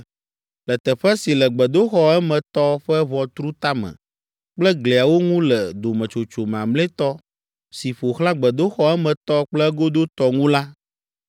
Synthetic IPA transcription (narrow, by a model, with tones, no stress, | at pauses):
lɛ˨t̪ɛ˨ɸɛ˦si˨lɛ˨ɡ͡bɛ˨d̪o˦xɔ˦ɛ˦mɛ̃˨t̪ɔ˦ɸɛ˦βɔ˨t̪ɾu˦t̪a˦mɛ̰̃˨ | k͡plɛ˦ɡle˨a˨wo˦ŋũ˦lɛ˨d̪o˨mɛ̃˨t͡ʃo˨t͡ʃo˨m̃˨a˨mlɛ̃˦t̪ɔ˦ | si˨ɸo˨xla˦ɡ͡bɛ˨d̪o˦xɔ˦ɛ˦mɛ̃˨t̪ɔ˦k͡plɛ˦ɡo˦d̪o˦t̪ɔ˦ŋũ˦la˦